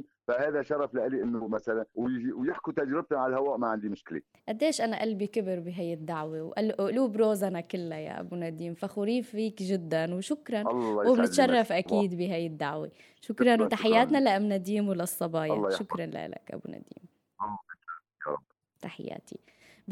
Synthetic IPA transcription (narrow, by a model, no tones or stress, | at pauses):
fahaːðaʃɑɾˤɑflaʔaliʔɪnːʊʔmasalanwwjɪħkut̪ad͡ʒɾɪb̚t̪ʊʕalalhawaːʔmaʕɪnd̪imʊʃkɪlḛ | ʔad̪ːeːʃʔanaʔalbikɪbɪɾbiɦajːɪd̪ːaʕwewʔalʔʔluːbɾoːzanakɪlːaja̰ʔa̰bunad̪iːmfaxʊɾiːffiːkʒɪd̪ːanwʃʊkɾˤɑnlːwɪbnnɪt̪ʃɑrˤːɑfʔakiːd̪biɦajːɪd̪ːaʕwḛ | ʃʊkɾˤɑnwt̪aħɪjːaːt̪nalaʔamnad̪iːmwlasˤːɑbɑːjalːɑjʃʊkɾˤɑnla̰ʔla̰kʔa̰bṵna̰d̪ḭːm | ʔɑlː | jɑ̰ɾˤɑ̰b | t̪aħɪ̰jːa̰ːt̪ʰḭ